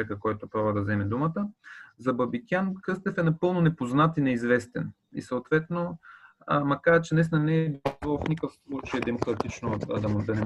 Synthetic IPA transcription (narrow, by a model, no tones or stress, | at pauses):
ɛkəkɔjt̪ʊpɾabvəd̪ɐzɛmɛd̪umət̪əzɐbɐbikʲankɤst̪ɛfɛnɐpɤlˠnonɛpoznat̪inɛizvɛst̪ɛn | ḭsəot̪vɛt̪no | mɐkaɾt͡ʃɛnɛsnɐnɛːbiɔfnikəfslˠut͡ʃəjɛd̪ɛmokɾɐt̪it͡ʃnod̪ɐd̪ɐnɛ